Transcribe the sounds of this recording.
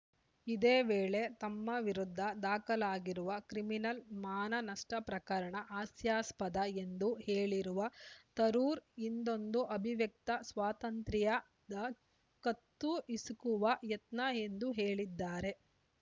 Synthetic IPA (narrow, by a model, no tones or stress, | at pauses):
id̪eːʋeːɭe̞t̪ɐmːɐʋiɾud̪ʱːɐd̪aːkɐlaːɡiɾuʋɐkɾiminɐlmaːnɐnɐʂʈɐpɾɐkɐɾɐɳɐʔaːsjaːspɐd̪ɐe̞nd̪uheːɭiɾuʋɐt̪ɐɾuːɾind̪o̞nd̪uʔɐbʱiʋjɐk̚t̪ɐsʋaːt̪ɐnt̪ɾijɐ | d̪ɐ | kɐt̪ːuisukuʋɐjɐt̪nɐend̪uɦe̞ːɭid̪ːaːɾe̞